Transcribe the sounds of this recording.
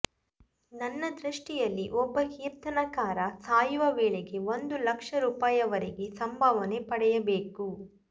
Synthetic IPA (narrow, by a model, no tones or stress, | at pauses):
nɐnːɐd̪ɾiʂʈijɐlːiʔɔbːɐhiːɾt̪ɐnɐkaːɾɐsaːjuʋɐʋeːɭeɡe̞ʋond̪ulɐkʂɐɾuːpaːjɐʋɐɾiɡe̞sɐmbʱɐʋɐne̞pɐɽɛjɐbeːku